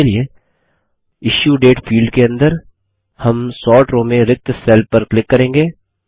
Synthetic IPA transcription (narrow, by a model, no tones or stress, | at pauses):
elie | ɪʃjuːɖeːʈfʰiːlɖkeɐ̃nd̪əɾ | hɐmsɔːʈɾõːmẽɾɪk̚t̪sɛːlpɐɾklɪkːɐɾẽːŋɡeː